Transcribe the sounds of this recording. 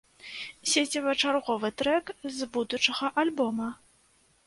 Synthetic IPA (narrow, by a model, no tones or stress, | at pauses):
sʲet͡sʲɐvɐt͡ʂarɣɔvɨt̪ɾɛkzbud̪ut͡ʂɐɣɐʔalʲbɔmɐ